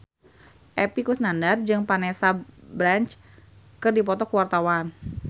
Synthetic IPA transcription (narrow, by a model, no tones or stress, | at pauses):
ʔɛpikusnandard͡ʒɨŋpanesabɾant͡ʃ | kɨrdipɔt̪ɔkuwart̪awan